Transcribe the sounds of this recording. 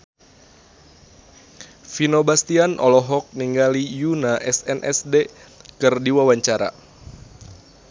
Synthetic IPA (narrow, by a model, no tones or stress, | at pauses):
finobast̪ianʔɔ̰lɔɦɔk̚niŋɡalijunaʔɛsɛnʔɛ̰sdekɨrdiwawaɲt͡ʃaɾa̰